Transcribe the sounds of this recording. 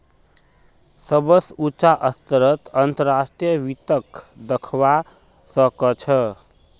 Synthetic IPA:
sʌbəsut͡ʃaʔəst̪əɾʌt̪ənt̪əɾasʈɾijʌʋit̪əkd̪əkʰwa | sʌkət͡ʃʰʌ

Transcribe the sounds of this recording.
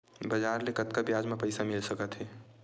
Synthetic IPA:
bəd͡ʒaːɾlekət̪̚kabjad͡ʒmẽpəɪsamilsəkət̪ɦɛ

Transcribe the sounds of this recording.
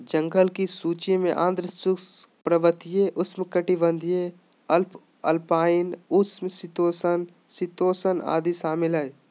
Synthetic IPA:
d͡ʒə̃ŋɡəlkisuːt͡ʃẽmẽʔã̰ːnd̪ɾəst͡ʃʊspɾəʋət̪ijeʔʊsmẽkɐʈibə̃nd̪ije | ɐlp | ɐlpaːɪnʊsmesɪt̪oːsən | sɪt̪oːsəna̰ːd̪isaːmɪlɦɛ

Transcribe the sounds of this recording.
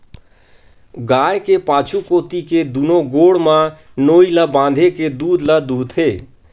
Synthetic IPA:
ɡaːjkepaːt͡ʃʰukoːt̪iked̪unoɡoːɽmã | noːilabãːnd̪ʱeked̪uːd̪lad̪uːt̪ʰɦe

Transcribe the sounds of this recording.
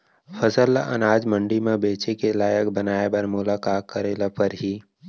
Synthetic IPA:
fʰəzəlːaʔɐ̰naːd͡ʒmə̃ɳɖimẽbeːt͡ʃekelaːjək̚bənaːebəɾmʊlaːkaːkːəɾeːlapəɾɦiː

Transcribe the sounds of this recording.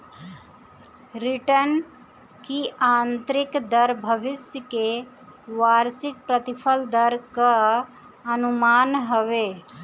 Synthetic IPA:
ɾiʈən | kiãːnt̪ɾikd̪əɾbʱəbɪsjəke | ʋaːɾsik̚pɾət̪ipʰəld̪əɾkə | ənumaːnɦəʋe

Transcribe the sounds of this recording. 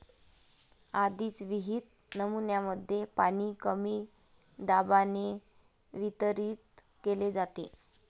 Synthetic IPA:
ad̪iːt͡sʋiɦit̪̚ | nəmunjaməd̪ʱːjepañiːkəmiː | ɖabane | ʋit̪əɾiːt̪ | keled͡zat̪e

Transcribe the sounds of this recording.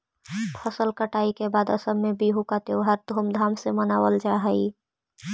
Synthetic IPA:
pʰəsəlkəʈaikebad̪əsəbːebʱiɦukat̪eoɦəɾd̪ʱomd̪ʱamsemənawəld͡ʒaɦəi

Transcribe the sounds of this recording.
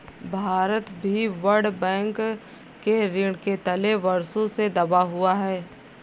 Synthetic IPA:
bʱaːɾət̪bʱiʋɐɾɖbɛ̃ːŋk | kːeɾɪɽket̪ɐleʋɐɾsõsed̪ɐbaɦʊaɦɛː

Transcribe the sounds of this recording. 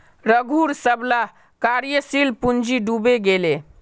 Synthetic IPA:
ɾəɡʱuɾsəbla | kaɾjəsilpund͡ʒiɖubeɡele

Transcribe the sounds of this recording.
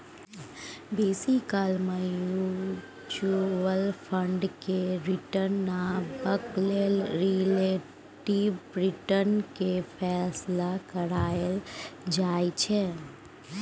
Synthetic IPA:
beːsikalmẽju | t͡ʃuəlpʰə̃ɳɖkeɾiʈəɾnːabəklelɾile | ʈibbɾɪʈənkepʰɛːslakəɾaːəld͡ʒaːit͡ʃʰe

